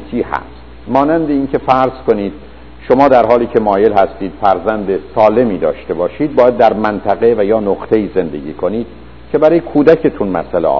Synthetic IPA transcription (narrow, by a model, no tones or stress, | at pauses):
t͡ʃʰiːhæ̰st̪mɒːnænd̪eiːncʰe̞fæɾz̥ko̞niːd̪̥̚ | ʃo̞mɒːd̪æɾɦɒːliːcʰe̞mɒːje̞lɦæst̪iːd̪̥fæɾzænd̪esɒːle̞miːd̪ɒ̰ːʃt̪e̞bɒːʃiːd̪̚bɒːjæd̪̚ːæɾmænt̪ʰæɣe̞væjɒːnoqt̪ʰe̞iːze̞nd̪e̞ɟʲḭːkʰo̞niːd̪̥ | cʰe̞bæɾɒːjekʰuːd̪æcʰe̞t̪ʰunmæ̰sælḛʔɒ̰